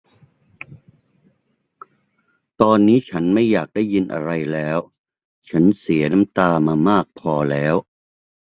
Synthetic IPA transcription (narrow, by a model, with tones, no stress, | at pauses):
t̪ɔː˧nːiː˦˥t͡ɕʰa˦˥nma˥˩jːaː˨˩k̚da˥˩jːi˧nʔa̰˧ɾa˧jlɛː˦˥w | t͡ɕʰa˦˥nsi˩˦ɐna˦˥mt̪aː˧maː˧maː˥˩k̚pʰɔː˧lɛː˦˥w